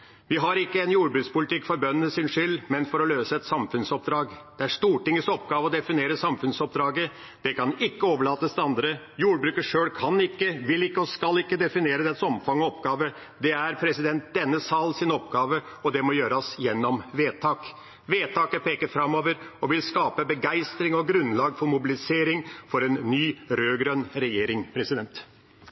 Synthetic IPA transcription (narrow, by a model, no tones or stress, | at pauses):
ʋɪɦɑɾɪkːəɛnjuːɾbɾʉːkspʊlɪt̪ʰɪkːfɔɾbœnːənəsɪnʂʏlːmɛnfɔɾɔløːsəɛt̪sɑmfʉnsɔp̚d̪ɾɑːɡd̪̥ɛæɾʂt̪uːʈɪŋːəsɔpːɡɑːʋəɔd̪ɛfɪneːɾəsɑmfʉnsɔp̚d̪ɾɑːɡə | d̪̥ɛkʰɑnɪkːəoːʋəɭɑːt̪əsd̪ɛɑnd̪ɾə | juːɾbɾʉːkəʂøːɽkʰɑnɪkːəʋɪlːɪkːəɔskɑlɪkːəd̪ɛfɪneːɾəd̪ɛt̪ːsɔmfɑŋːɔɔpɡɑːʋə | d̪ɛæɾpʰɾɛsɪd̪ɛnt̪̚d̪ɛnːəsɑlsɪnɔpɡɑːʋə | ɔd̪ɛmɔjøːɾəsjɛnːɔmʋeːt̪ʰɑːk | ʋeːt̪ʰɑːkəpeːkəɾfɾɑmːoːʋəɾɔʋɪlskɑːpəbəɡæɪst̪ɾɪŋɔɡɾʉnlɑːɡfɔɾmʊbɪlɪseːɾɪŋfɔɾɛnːyːɾøːɡɾœnɾɛjeːɾɪŋpʰɾɛsɪd̪ɛnt̪